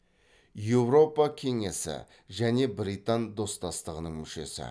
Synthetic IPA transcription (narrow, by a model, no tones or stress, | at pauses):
je̞wɾo̞pɑkʲʰe̞ŋe̞sɪ̰ | ʒæne̞bɾijt̪ɑnd̪o̞st̪ɑst̪əʁənəɴmʏʃe̞̰sɪ̰